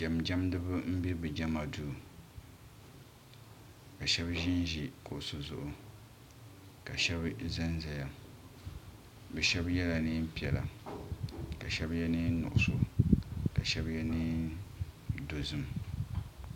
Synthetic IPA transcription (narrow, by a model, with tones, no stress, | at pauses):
d͡ʒa˨md͡ʒa˦mdɨ˦bɨ˦m̩˦bi˦bɨ˨d͡ʒa˦ma˨du˨ | ka˨ʃɛ˦bʒɪ˦nʒi˨ko˨ʔso˨zʊ̰˦ʔʊ˨ | ka˨ʃɛ˦bza˦nza˨ja˨ | bɛ˨ʃɛ˦bjɛ˦la˨nɨ˦m˦pi˨ɛ˨la̰˨ | ka˨ʃɛ˦bjɛ˦nɨː˦n˦nʊ̰˨ʔʊ˨so˨ka˨ʃɛ˦bjɛ˦niː˦ | do˨zɨ˨m